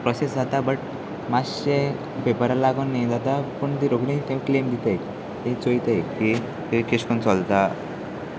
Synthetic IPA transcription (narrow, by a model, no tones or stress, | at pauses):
pɾɔsesd͡zat̪abəʈ | maɕe | pepəɾalaɡonːid͡zat̪apəɳt̪iɾoɡnit̪ẽklemd̪it̪ek | t̪ẽt͡sojt̪ejki | t̪keɕkənt͡sɔlt̪a